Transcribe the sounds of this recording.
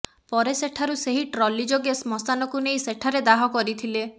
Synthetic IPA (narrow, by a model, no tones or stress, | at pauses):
pɔɾeseʈʰaɾuseɦiʈɾɔlid͡ʒoɡesmɔsanɔkunejseʈʰaɾed̪aɦɔkɔɾit̪ʰile